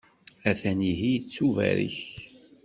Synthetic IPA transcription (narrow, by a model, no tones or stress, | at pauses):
æθæniɦijt͡sːuvæ̰ɾḭç